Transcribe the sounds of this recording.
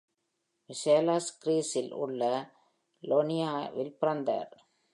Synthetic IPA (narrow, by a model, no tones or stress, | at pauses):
ʋɪseːlaːskɾiːsɪlʊ̰ɭːɐ | loːnɪjaːʋɪlpɪɾɐnd̪a̰ːɾ